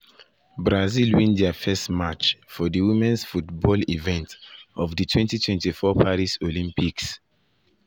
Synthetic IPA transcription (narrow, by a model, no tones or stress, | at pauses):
bɹazilwĩndɛfɛstmat͡ʃfɔdəwimɛ̃nsfutbɔlivɛ̃ntɔvdətʰwɛ̃ntitʰwɛ̃ntifɔpʰaɾisolĩmpiks